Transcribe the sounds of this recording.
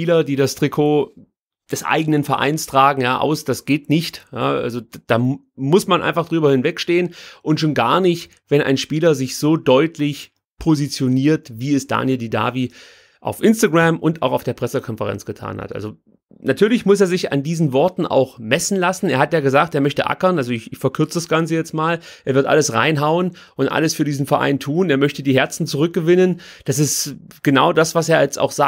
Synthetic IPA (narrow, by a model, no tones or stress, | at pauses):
piːlɐdiːdastʁ̥ikʰoː | d̥ɛsʔa̰ɪɡənənfɛɐʔa̰ɪnstʁ̥aːɡŋ̩jaːʔa̰ʊsd̥asɡ̥eːtnɪçtja̰ːʔa̰lzod̥aː | mʊsmanʔa̰ɪnfaχd̥ʁyːbɐhɪnvɛkʃteːənʔʊntʃoːnɡaːɐnɪçt | v̥ɛna̰ɪnʃpiːlɐzɪçz̥oːdɔʏtʰlɪç | pʰozit͡sjoniːɐtviːɛsd̥a̰ːnjɛldida̰ːviː | ʔa̰ʊfʔɪnstaɡʁamʔʊnta̰ʊxaʊfd̥eːɐpʁ̥ɛsəkʰɔnfəʁɛ̰nt͡sɡ̥ətʰa̰ːnha̰tʔa̰lzo | natʰyːɐlɪçmʊseːɐzɪça̰ndiːzn̩vɔɐtn̩ʔa̰ʊxmɛsn̩lasn̩eːɐhatjaːɡəzaːkteːɐmœçtəʔa̰kɐnʔalzoɪçɪçfɛɐkʰʏɐt͡sədasɡ̥ant͡səjɛt͡stmaːlʔeːɐvɪɐtʔa̰ləsʁa̰ɪnɦaʊən | ʔʊntʔa̰ləsfyːɐdiːzn̩fɛɐʔa̰ɪntʰuːneːɐmœçtədiːɦɛɐt͡sn̩t͡suʁ̞ʏk̚ɡ̥əvɪnənd̥asɪstɡ̥ənaʊdasv̥aseːɐjɛt͡sta̰ʊxz̥a